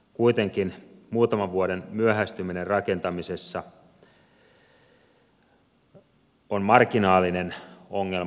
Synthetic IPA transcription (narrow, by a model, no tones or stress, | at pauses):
kuit̪eŋkinmuːt̪ɑmɑʋʋuoɾenmyøhæst̪yminerrɑke̞nt̪ɑmisesːɑ | onmɑrkinɑːlːˑinenoŋːel